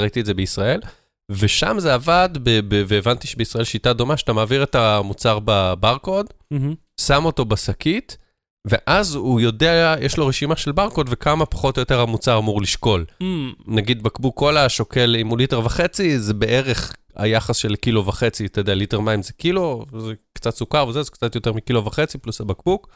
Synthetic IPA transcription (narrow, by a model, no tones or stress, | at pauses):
ait̪iedzebeisʁae̞l | ve̞ʃamzeavadbebeveːvant̪iʃebeisʁae̞lʃitado̞maʃatamaːviʁetamut͡saʁbabaʁko̞d | samo̞to̞basakit | ve̞ʔazujo̞deaajeʃlo̞ʁeʃimaʃe̞lbaʁko̞dvekamapḁχo̞tojo̞t̪e̞ʁamut͡saʁamuʁliʃko̞lnaɡid̪bakbukːo̞laʃo̞ke̞limuliteʁvaχe̞t͡sizebe̞ʔe̞ʁe̞χ | a̰jaχasʃelkilo̞vaχet͡siat̪ejodejaliteʁmaimzekilozekt͡satsukaʁvezezekt͡sat̪jot̪eʁmikilo̞vaχe̞t͡siplusabakbuk